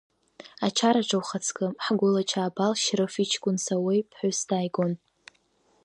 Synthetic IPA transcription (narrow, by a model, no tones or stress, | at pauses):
at͡ʃʰaɾaʈ͡ʂʰawχat͡sʰkʼɨħɡʷʊlat͡ʃʰaːbalʃrɨfit͡ʃʰkʷʼʊnsawejpʰħʷʊsdajɡon